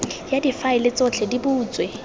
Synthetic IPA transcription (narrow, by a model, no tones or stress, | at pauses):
jadifaɪlɪt͡sʼɔt͡ɬʰɛdibuːt͡sʼwe